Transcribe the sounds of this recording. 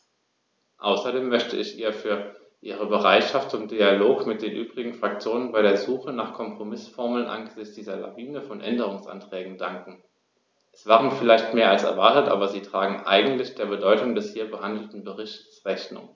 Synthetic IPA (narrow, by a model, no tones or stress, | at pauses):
ʔaʊsɐdeːmːœçtəɪçʔiːɐfyːɐ | ʔiːʁ̞əbəʁaɪtʃaftʊmd̥ialoːkmɪt̚d̥eːnʔyːbʁɪɡŋ̩fʁ̥ak̚t͡sjoːnənbaɪɾeːɐzuːxənaːχkʰɔmpʁ̥omɪsfɔɐml̩nʔa̰nɡəzɪçt͡sd̥iːzɐla̰viːnəfɔnʔɛndəʁ̞ʊŋsʔa̰ntʁ̥ɛːɡŋ̩daŋkŋ̩ | ʔɛsv̥aːʁənfɪlaɪçtmeːɐalsɛ̰ɐvaɐtətʔa̰ːbɐziːtʁ̥aːɡŋ̩ʔa̰ɪɡŋ̩tlɪçd̥eːɐbədɔʏtʊŋdɛshiːɐbəhandl̩tn̩bəʁɪçtsʁɛçnʊ̰ŋ